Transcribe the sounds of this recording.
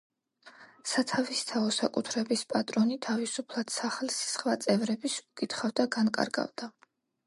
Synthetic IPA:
sat̪ʰavist̪ʰaɔsakʼut̪ʰɾɛbispʼat̪ʼɾɔnit̪ʰavisupʰlˠad̪̥saχlsi̥sχvat̪sʼɛvɾɛbisukʼit̪ʰχavd̪aɡankʼa̰ɾɡa̰vd̪a

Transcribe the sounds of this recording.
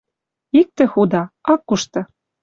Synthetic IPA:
ik̚t̪ɘ̆xud̪ɑɑkːuʃt̪ɤ̆

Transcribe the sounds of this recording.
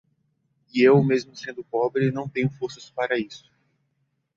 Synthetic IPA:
iewmezmʊsẽnd̪ʊpɔbɾɪnɐ̃w̃t̪ẽɲʊfoɾsɐspaɾɐisʊ̥

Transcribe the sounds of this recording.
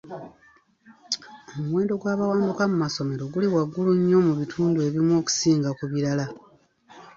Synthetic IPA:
omuwe̞ːndo̞ɡwaːβawaːmdukamumaso̞me̞ɾo̞ɡuliwaɡːuluɲːo̞muβitʰuːndue̞ːβimwo̞ːku̥siːŋɡakuβiɾala

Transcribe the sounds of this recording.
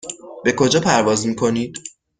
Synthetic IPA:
b̥e̞kʰo̞d͡ʒɒːpʰæɾvɒːzmiːkʰo̞niːd̪̥

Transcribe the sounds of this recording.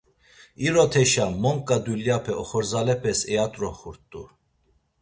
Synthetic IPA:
iɾɔt̪ʰɛʃamɔŋkʼad̪uljapʰɛɔχɔɾzalɛpʰɛsɛjat̪ʼɾɔχuɾt̪ʼu

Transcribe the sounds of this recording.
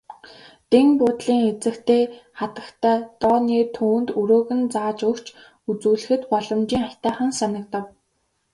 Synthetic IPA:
t̪eŋpʊːt̪ɮiːŋet͡sɘ̆kt̪ʰeːχat̪ə̆kt̪ʰæːt̪ɔːniːt̪ʰuːnt̪ɵɾoːɣɘ̆nt͡saːt͡ɕɵkt͡ɕʰ | ut͡suːɮɘ̆xɘ̆t̪pɔɮɞ̆mt͡ɕiːŋḁt̪aːχə̆nsanə̆k̚t̪ə̆w

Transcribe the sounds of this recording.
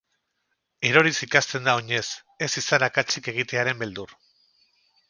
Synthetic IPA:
e̞ɾo̞ɾisikast̪e̞nd̪aoɲe̞s | e̞sisanakat͡ʃike̞ɣ̞it̪e̞aɾe̞mbe̞ld̪ur

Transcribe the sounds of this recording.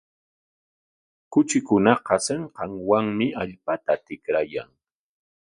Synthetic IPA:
kʊt͡ʃɪkʊnɑqɑseɴqɑŋwaŋmɪaʎpat̪at̪ɪkɾaja̰ŋ

